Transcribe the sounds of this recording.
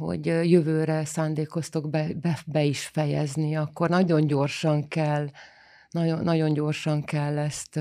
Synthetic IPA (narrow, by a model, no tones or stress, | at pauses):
ɦo̞̰ɟjøvøːɾɛsaːnd̪eːko̞st̪oɡbɛbɛbɛiʃfɛjɛ̰zniɒkːo̞rnɒɟo̞ɲɟo̞rʃɒŋkɛlː | nɒonːɒɟo̞ɲɟo̞rʃɒŋkɛlːɛst̪